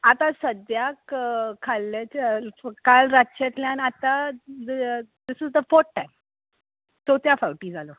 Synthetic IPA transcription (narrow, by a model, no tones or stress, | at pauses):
at̪ãsəd̪jakkʰːalːat͡ɕkalɾatːɕet̪ljãnat̪ad̪d̪ɪsɪzd̪əfɔɾːãjm | t̪ot̪jafawʈiːd͡zalo